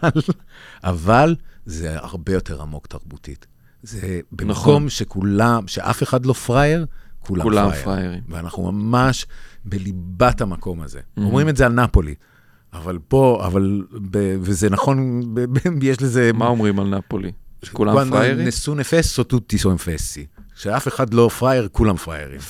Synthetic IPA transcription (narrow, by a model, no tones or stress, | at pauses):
alʔavalzea̰ʁbe̞jo̞tʰe̞ʁa̰mo̞ktaʁbutḭt | zebenakomʃekulamʃeʔa̰fe̞χadlo̞fʁaje̞ʁkʰulaulaajfʁajeʁimveanaχnṵma̰maʃbelibathamako̞maze̞̰omʁimetzealnapo̞lḭ | avalbo̞a̰valbevezenaχo̞nbebjeʃlezemaomʁimalnapolikulaanesunefesːotut̪ːisonfesiʃeafe̞χadlo̞fʁajeʁkulamfʁa̰jḛʁḭm